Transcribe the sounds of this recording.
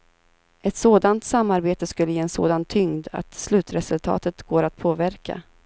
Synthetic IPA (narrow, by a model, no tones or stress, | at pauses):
ɛt̪soːd̪ant̪samːaɾbeːt̪əskɵlːəjeːɛnso̰ːd̪ant̪ʰːʏŋd̪a̰t̪slʉ̟ːt̪ɾɛsɵlt̪ʰɑ̰ːt̪ət̪ɡoːɾat̪pʰoːvæɾka̰